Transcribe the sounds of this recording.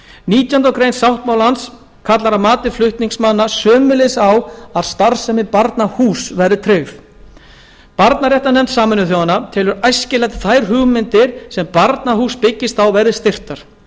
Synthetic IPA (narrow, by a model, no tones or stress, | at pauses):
niːt̪jant̪awkɾejnsawht̪maːwlans | kʰat̪laɾamaːt̪ɪflʏht̪niŋksmanːasœːmʏlesawaðst̪aɾsɛmɪpaɾt̪nahuːsvɛɾðɪt̪ʰɾeːɥf | paɾt̪naɾjɛht̪anɛmt̪saːmɪnʏθjɔwanːat̪ʰɪːlʏɾajscɪlajt̪θajɾɦʏɣmɪnt̪ɪɾ̥sɛmpaɾt̪naɦuːspɪcːɪst̪awvɛɾðɪst̪ɪr̥t̪aɾ̥